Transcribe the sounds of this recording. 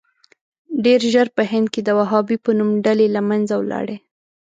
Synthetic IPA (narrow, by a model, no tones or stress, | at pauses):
ɖeɾʒəɾpəhɪnd̪̚ked̪əwaɦɑbipənumɖalelamanzawlɑ̰ɽe